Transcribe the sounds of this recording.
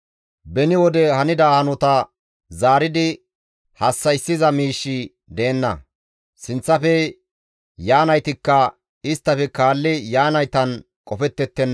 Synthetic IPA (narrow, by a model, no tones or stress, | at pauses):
bɛnɪwɔd̪ɛhɐnɪd̪ɐhɐnɔt̪ɐ | zaːɾɪd̪ɪ | hɐsːɐjsːɪzɐmiːʃːɪ | d̪eːnːɐ̰ | sɪnt͡sːɐfɛ | jaːnɐjt̪ɪkːɐ | ɪst̪ːɐfɛkaːlːɪjaːnɐjt̪ɐn | kʼɔfɛt̪ːɛt̪ːɛnː